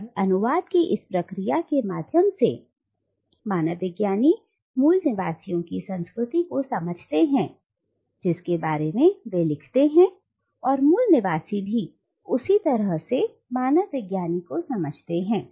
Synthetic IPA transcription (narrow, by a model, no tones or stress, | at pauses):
ɐnʊʋaːd̪̚kiʔɪspɾɐkɾijakemaːd̪ʱjəmse | maːnəʋɪɡjaːni | muːlnɪʋaːsijõkisɐ̃nskɾʊt̪ikosɐməd͡ʒʱt̪eɦɛ̃ː | d͡ʒɪskebaːɾemẽʋelɪkʰt̪eɦɛ̃ | ɔːɾmuːlnɪʋaːsibʱi | ʊsit̪ɐɾəɦse | maːnəʋɪɡjaːnikosɐməd͡ʒʱt̪eɦɛ̃ː